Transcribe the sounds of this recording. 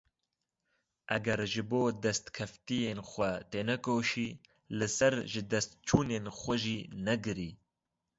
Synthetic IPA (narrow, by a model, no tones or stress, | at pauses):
ʔɐɡɛɾʒɨboːd̪ɛst̪kʰɐft̪ijeːnxʷɛt̪eːnɛkoːʃiː | lɨsɐɾʒɪd̪ɛst̪̚t͡ʃʰuːneːnxʷɐʒiːnɛɡɨɾiː